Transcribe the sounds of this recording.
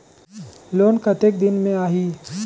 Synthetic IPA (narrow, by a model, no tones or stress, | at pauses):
loːnkɐt̪ek̚d̪ɪnmẽaːɦiː